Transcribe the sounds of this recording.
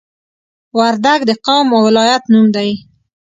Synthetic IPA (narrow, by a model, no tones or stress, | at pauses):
waɾd̪aɡd̪əqawməwːɪlɑjat̪numd̪aj